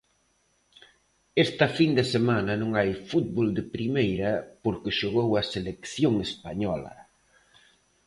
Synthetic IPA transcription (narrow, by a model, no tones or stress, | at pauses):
est̪ɐfind̪esemanɐnõŋajfut̪̚βold̪ɪpɾimejɾɐpoɾkɪʃoɣowɐselekθjoŋespaɲɔlɐ̰